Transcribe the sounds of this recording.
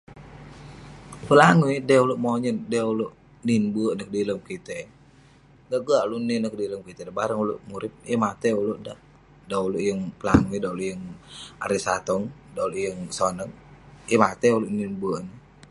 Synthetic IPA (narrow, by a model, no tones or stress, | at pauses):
pəlaŋuidəuluʔmoɲəndəuluʔ | ninbuəʔnək̚diləmkit̪ɛ | ɡaʔɡəaʔluninək̚diləmkit̪ɛdabaɾəŋulṵʔmuɾɪp̚əmat̪ɛuluʔda | dauluʔjəŋpəla̰ŋuidauluʔjəŋa̰ɾisat̪ɔŋdauluʔjəŋsonəŋemat̪ɛuluʔninbuəʔnə